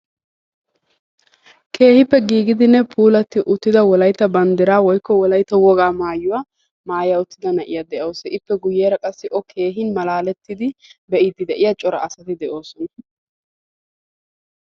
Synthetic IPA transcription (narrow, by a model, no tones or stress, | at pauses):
kʰe̞ːhɪpːɛɡiːɡɪd̪ɪnːɛpʰuːlɐt̪ːɪʔʊt̪ːɪd̪ɐwɔlɐjt̪ːɐbɐnd̪ɪɾaːwɔjkːɔwɔlɐjt̪ːɐwɔɡaːmaːjːʊwa | maːjaʊt̪ːɪd̪ɐnɐʔɪ̰jɐd̪ɛʔoːsɛʔɪpːɛɡʊjːeːɾɐkʼɐsːɪʔɔkʰe̞ːɦɪnmɐlaːlɛt̪ːɪd̪ɪbɛʔɪd̪ːɪd̪ɛʔɪjɐt͡ʃʼɔɾɐ̰ɐsɐt̪ɪd̪ɛʔo̞ːsɔnɐ